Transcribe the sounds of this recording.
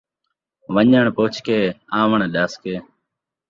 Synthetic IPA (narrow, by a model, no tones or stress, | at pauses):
ʋəɲəɳpoːt͡ʃʰkeːãːʋəɳɗaːskeː